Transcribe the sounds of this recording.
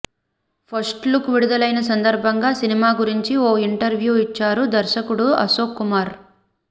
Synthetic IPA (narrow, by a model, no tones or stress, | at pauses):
pʰɐsʈlukʋiɽud̪ɐlɐjnɐs̬ɐnd̪ɐɾbʱɐŋɡaːsinimaːɡuɾiɲt͡ʃioːiɳʈɐɾʋjuːit͡ʃːaːɾud̪ɐɾʃɐkuɽuɐ̰soːkːumaːɾ